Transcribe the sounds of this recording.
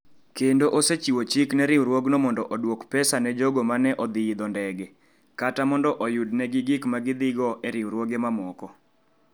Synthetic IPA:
kendoʔoset͡ʃiwot͡ʃiknɛɾɪwɾwoɡnomɔndɔʔɔdwokpɛsanɛd͡ʒoɡomanɛʔɔd̪ɪid̪ɔndɛɡɛ | katamɔndɔʔɔjudnɛɡɪɡɪkmaɡɪd̪ɪɡɔʔɛɾɪwɾwoɡemamɔkɔ

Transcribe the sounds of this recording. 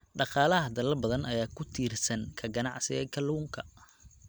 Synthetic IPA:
ɖɑqɑːlɐɦɐd̪ɐlɐlbɐðɐnʔɐjaːkʰʊt̪ʰiːrsɐnkʰɐɡɐnɑʕsɪɛːkʰɐluːŋkʰɐ

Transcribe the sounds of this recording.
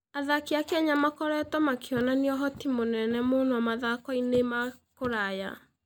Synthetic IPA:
aðakiakaɲamakɔɾɛtɔmakʰeɔnaniɔɦɔtimonɛnɛmoːnoamaðakɔinemakoɾaja̰

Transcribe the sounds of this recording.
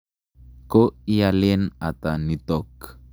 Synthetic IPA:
koialenat̪anit̪ɔk

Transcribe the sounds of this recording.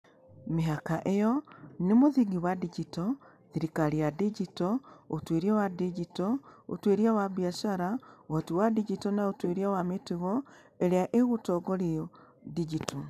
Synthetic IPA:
miɦakaʔejɔnimuðiɡiwadiɟitɔ | ðiɾikaliadiɟitɔotweɾiawadiɟitɔo̰tweɾiawabiaʃaɾaoɣatiwadiɟitɔnaotweɾiawametiɣɔ | eɾeaʔeɣutɔɡolio | did͡ʒito

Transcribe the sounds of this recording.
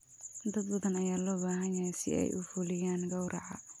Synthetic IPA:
d̪ɐd̪bɐðɐnɐjaːlɔːbaːɦɐnjɐjasɪ̰ɛ̰jʔʊ̰fʊlɪjaːŋɡɐwɾʔɑʕɑ̰

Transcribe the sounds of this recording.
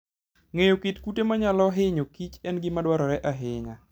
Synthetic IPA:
ŋejokitkutemaɲalɔɦɪɲokit͡ʃɛnɡɪmadwaɾɔɾɛʔaɦɪŋa

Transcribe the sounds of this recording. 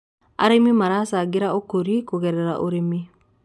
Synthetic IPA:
a̰ɾemimaɾasaɡeɾaokoɾikoɣɛɾɛɾa̰ʔoɾemi

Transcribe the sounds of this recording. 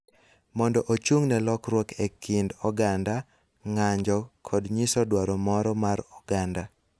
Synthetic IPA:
mɔndɔʔot͡ʃuŋnɛlɔkɾwɔkekʰindɔɡanda | ŋaɲd͡ʒɔkʰɔdɲisɔdwaɾɔmɔɾɔmaɾɔɡanda

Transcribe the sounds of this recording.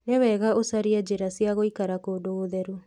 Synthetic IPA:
newɛɣaosaɾiɛd͡ʑeɾasiaɣoikaɾakoːdoɣoðɛɾo

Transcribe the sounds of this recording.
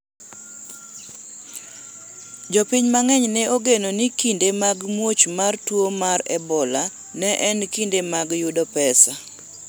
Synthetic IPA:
d͡ʒɔpiɲmaŋɛɲnɛoɡenonikindemaɡmwot͡ʃmartwomaɾɛbɔla | nɛʔɛnkindemaɡjudɔpɛsa

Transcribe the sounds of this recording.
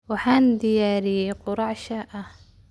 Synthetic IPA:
waħand̪ijaɾiquɾɑʕʃaʔa

